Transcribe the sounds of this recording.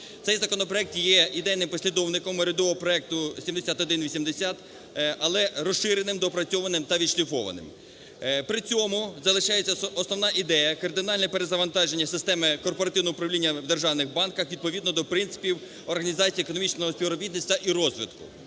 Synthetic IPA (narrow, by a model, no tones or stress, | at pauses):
t̪ɛjzɐkɔnɔpɾɔɛk̚t̪jɛid̪ɛjnɪmpɔsʲlʲid̪ɔwnɪkɔmɾʲɪd̪ɔʋɔɦɔpɾɔɛk̚t̪ʊsʲimd̪esʲat̪ɔd̪ɪnʋʲisʲimd̪esʲat̪ | ʔɐlˠɛɾɔsʃɪɾenɪmd̪ɔpɾɐt͡sʲɔʋɐnɪmt̪ɐʋʲid̪ʃlʲifɔʋɐ̰nɪ̰m | pɾɪt͡sʲɔmʊzɐlˠɪʃɑjet͡sʲːɐɔsnɔwnɑʔid̪ɛjɐkɐrd̪ɪnɑlʲnɛpeɾezɐʋɐnt̪ɑʒe̞nʲːɐsɪst̪ɛmɪkɔrpɔɾɐt̪ɪwnɔʊpɾɐʋlʲinʲːɐʋd̪erʒɑwnɪxbɑnkɐxʋʲid̪̚pɔʋʲid̪nɔd̪ɔpɾɪntsɪ̥pʲiw | ɔrɦɐnʲizɑt͡sʲiiekɔnɔmʲit͡ʃnɔɦɔspʲiʋɾɔbʲid̪nʲisʲt̪ɐʔiɾɔzʋʲḭd̪kʊ̰